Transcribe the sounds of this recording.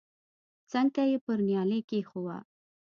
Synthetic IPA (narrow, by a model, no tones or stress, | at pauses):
t͡səŋkajepəɾnjɑlekexowa̰